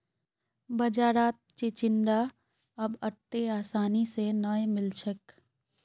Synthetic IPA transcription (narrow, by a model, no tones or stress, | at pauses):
bəd͡ʒaːɾaːt̪̚t͡ʃet͡ʃɪnɖ̪a | əbəɾt̪eaːsaːnisenəemɪlt͡ʃʰək